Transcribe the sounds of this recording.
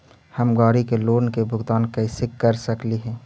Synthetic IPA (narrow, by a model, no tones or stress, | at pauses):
hɐmɡaːɾikeloːnkebʱʊɡt̪aːnkɐɪsɪkːəɾsəkliɦɛ̃ː